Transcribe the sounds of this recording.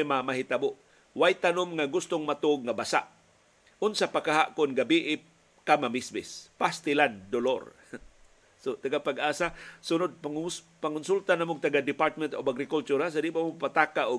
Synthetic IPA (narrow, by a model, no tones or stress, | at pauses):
mamaɦit̪abʊʔ | wajt̪anʊmŋaɡʊst̪ʊŋmat̪ʊɡ̚ŋabasa̰ʔ | ʊnsapakaɦaʔkʊnɡabiʔɪp | kamamisbɪspast̪ɪland̪olo̰ɾ | sot̪aɡapaɡʔaːsasʊnʊd̪̚pas | paŋkʊnsult̪anamʊɡ̚t̪aɡad̪ɪpaɾt̪̚mɛnt̪obaɡɾɪkʊlt͡ʃuɾas̬adibamʊpat̪aːkaʔʊ